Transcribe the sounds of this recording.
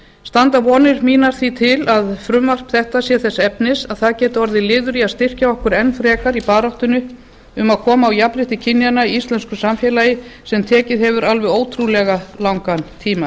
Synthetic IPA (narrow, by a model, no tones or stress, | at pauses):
st̪ant̪avɔːnɪɾmiːnaɾ̥θit̪ʰɪlaðfɾʏmvar̥pθɛht̪asjɛθɛsːɛpnɪsaðθaðcɛːt̪ɪɔɾðɪlɪːðʏɾiaðst̪ɪr̥caɔhkʏɾɛnfɾɛːkaɾipaːɾawht̪ʏnʏ | ʏmaðkʰɔːmaːwjapɾɪht̪ɪcʰɪnːjanaiist̪lɛnskʏsamfjɛːlajɪsɛmt̪ʰɛːcɪðɦɛvʏɾalvɛðoːwt̪ʰɾulɛɣalawŋkant̪ʰiːma